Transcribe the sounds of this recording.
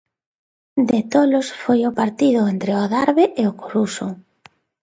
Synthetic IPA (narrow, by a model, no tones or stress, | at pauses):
d̪et̪olosfojʊpaɾt̪iðʊent̪ɾeʊaðaɾβeʔeʊkoɾusʊ